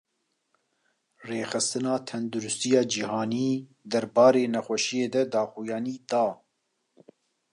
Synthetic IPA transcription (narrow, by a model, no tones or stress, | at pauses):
reːxɨst̪ɨnɑːt̪ʰɛnd̪uɾʊst̪ijɑːd͡ʒihɑːniː | d̪ɛɾbɑːɾeːnɛxʷɛʃijeːd̪ɛd̪ɑːxujɑːniːd̪ɑː